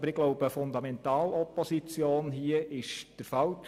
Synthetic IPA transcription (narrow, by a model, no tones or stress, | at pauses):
bəɾɪɡ̥lɔwbəfʊnd̪ɑmɛnt̪ɑːlɔpɔsit͡sjoːnɦiəʔɪʃd̥əɾfɑwt